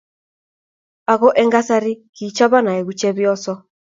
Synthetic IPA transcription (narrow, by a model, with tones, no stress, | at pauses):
a˨ɣɔ˦ʔɛ˦ŋɡa˦sa˦ɾi˦ki˨t͡ʃa˦βa˦na˨ɛ˨ɣu˨t͡ʃɛ˦βjɔ˦sɔ˦